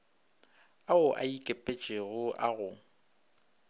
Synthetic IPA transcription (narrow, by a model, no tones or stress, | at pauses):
aʊʔa̰ikʼepʼet͡ʃʼeɣʊʔaɣʊ